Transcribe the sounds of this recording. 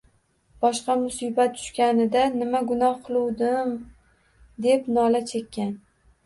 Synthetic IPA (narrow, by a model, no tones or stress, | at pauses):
b̥ɒʃqɑmʊsibat̪̚t̪ːʰʊ̥ʃkʲanɪd̪anɪmaɡʊnɒhqʰɨlˠuwd̪ɪm | d̪e̞pnɒlat͡ʃʰe̞kʲːan